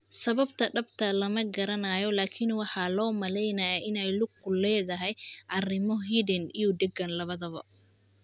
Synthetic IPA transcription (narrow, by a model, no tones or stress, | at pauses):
sɐβɐbt̪ʰɐɖɐbt̪ʰɐlɐmɐɡɐɾɐnaːjɔlaːkʰɪnwɑħɑlɔːmɐlɛjnɐjaʔɪnɛjlʊɡ̚ʊlɛːðɐɦɛjʔɑrɪmɔɦiːdɪnijʊd̪ɛɡɐnlɐβɐðɐβɐ